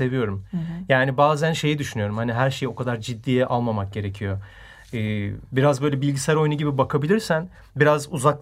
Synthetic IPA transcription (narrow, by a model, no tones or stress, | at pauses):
e̞vijo̞ɾumjaːnibaːzænʃe̞jid̪yʃynyjo̞ɾumhaniɦæɾʃe̞jo̞kʰad̪aɾd͡ʒid̪ːiːjɛʔalˠmamak̚ɟe̞ɾe̞cʰijo̞ | ɯːbiɾazbø̞jlʲɛbilʲɟisɛæɾo̞jnuɟibibakʰabilʲiɾsæn | biɾazuzak̚